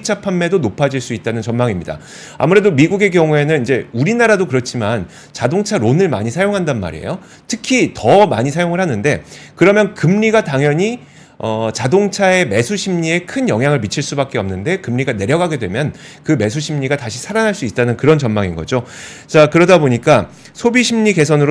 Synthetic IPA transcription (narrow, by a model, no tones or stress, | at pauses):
it͡ɕ͈ʰapʰamːe̞donopʰad͡ʑiɭs͈uit̚t͈anɯnt͡ɕʌnmaŋimɲida̰ | a̰muɾe̞domiɡuɡe̞ɡjʌŋue̞nɯnid͡ʑe̞uɾinaɾadokɯɾʌt͡ɕʰiman | t͡ɕadoŋt͡ɕʰaɾonɯɭma̰ɲisʰajoŋɦandanma̰ɾiḛjo | tʰɯkʰitʌma̰ɲisʰajoŋɯɭhanɯnde̞kɯɾʌmjʌnkɯmɲiɡataŋjʌɲi | ʌt͡ɕadoŋt͡ɕʰae̞me̞sʰuɕʰimɲie̞kʰɯnjʌŋɦjaŋɯɭmit͡ɕʰiɭs͈ubak͈̚eʌmnɯnde̞kɯmɲiɡane̞ɾjʌɡɦaɡe̞dwe̞mjʌnkɯme̞sʰuɕʰimɲiɡataɕʰi̥sʰaɾanɦaɭs͈uit̚t͈anɯnkɯɾʌnt͡ɕʌnmaŋinɡʌ̰d͡ʑo | t͡ɕakɯɾʌdaboɲik͈a | sʰobiɕʰimɲiɡe̞sʰʌnɯɾo